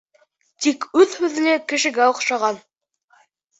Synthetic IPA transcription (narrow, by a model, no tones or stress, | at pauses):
t̪ikʉðhʉðɘ̆nɘkɘ̆ʃɘ̆ɡæoqʃɑʁɑn